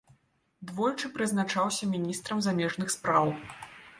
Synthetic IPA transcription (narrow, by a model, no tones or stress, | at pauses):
d̪vɔlʲt͡ʂɨpɾɨznat͡ʂawsʲɐmʲinʲist̪ɾɐmzamʲɛʐnɨxspɾaw